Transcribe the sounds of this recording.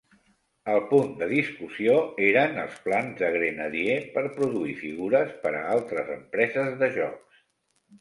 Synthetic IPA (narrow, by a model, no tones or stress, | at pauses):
əlˠpund̪əðiskusioeɾənə̰lˠsplanzðəɣɾenəðiepəɾpɾuðuifiɣuɾəspəɾə̰alˠt̪ɾəzəmpɾɛzəzðəʒɔks